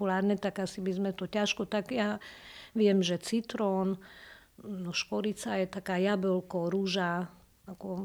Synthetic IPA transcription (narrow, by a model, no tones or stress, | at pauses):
ulaːɾnɛt̪aɡasibizmɛt̪ɔcaʃkɔt̪aɡjaʋɪɛmʒɛt͡sit̪ɾɔːn | nɔʃkɔɾit͡sajɛt̪akaːjabɛlkɔɾuʒa | akɔ